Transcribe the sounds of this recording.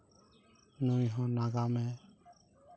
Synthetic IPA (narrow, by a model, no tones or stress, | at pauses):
nujɦɔ̃naɡamɛ